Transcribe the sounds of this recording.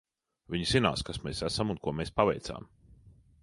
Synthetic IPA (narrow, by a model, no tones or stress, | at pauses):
vʲiɲz̥ina̰ːskasmeːsæsamunkuɔmeːspavɛ̰jt̪sa̰ːm